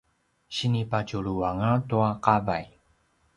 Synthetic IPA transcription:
ɕinipat͡ʃuɭuaŋətuaqavaj

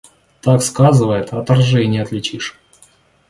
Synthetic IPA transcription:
t̪akskazɨvəjɪt̪ɐt̪ːɐrʐɛnʲɪəɐt̪lʲɪt͡ɕiʂ

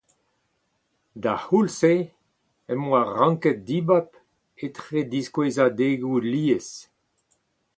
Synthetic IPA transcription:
d̪ahulse | ɛmwaʁɑ̃ŋkɛt̪̚d̪ibap | et̪χed̪iskwezad̪eɡuliːes

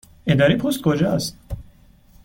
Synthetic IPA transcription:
ed̪ɑɾipʰost̪̚kʰod͡ʒɒst̪̚

